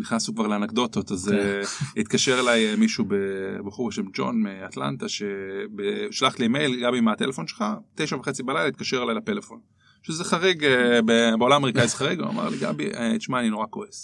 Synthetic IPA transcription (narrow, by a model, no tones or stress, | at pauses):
niχnasukvaʁleanakd̪o̞t̪o̞t̪azeit̪kaʃe̞ʁelajmiʃubebeχuʁbeʃemd͡ʒo̞̰nmeatla̰nt̪aʃebeʃlaχtleme̞jlɡabimat̪elefo̞nʃelχat̪ejʃaveχet͡sibalajlait̪kaʃeʁelajlate̞lefo̞n | ʃezeχaʁeɡebebeolamame̞ʁikaizeχaʁiɡvea̰ma̰ʁliɡa̰biʔet̪ʃmaːnino̞ʁakoes